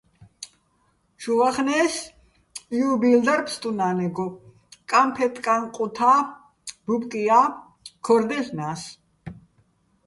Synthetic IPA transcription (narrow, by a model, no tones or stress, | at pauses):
ʃuvaχnɛːs | jubild̪aɾpʰst̪ʼunaːnɛɡɔ | kʼampʰɛt̪ʰʼkʼanqʼut̪ʰa | bupkʼija | kʰɔɾd̪ɛɬnas